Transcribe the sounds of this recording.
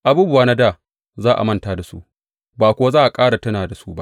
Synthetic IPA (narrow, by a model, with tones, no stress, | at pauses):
ʔa˨buː˦bʊ˨waː˦na˦daː˦˨ | zaː˦˨ʔa̰˨mɐ˦˨ntaː˨da˨sṵ˦ʔ | baː˨kʷʊ˨˦a˦zaː˦˨ʔa˨kʼaː˦ɽa˨tɐ˦naː˨da˨su˦ba˦ʔ